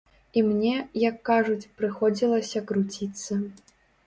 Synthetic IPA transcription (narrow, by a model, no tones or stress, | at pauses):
imnʲɛjɐkːaʐut͡sʲpɾɨxɔd͡zʲilˠɐsʲɐkɾut͡sʲit̪sːɐ